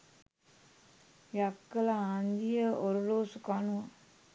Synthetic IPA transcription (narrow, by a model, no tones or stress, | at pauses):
jakːəlaand̪ijəoɾuloːsukanua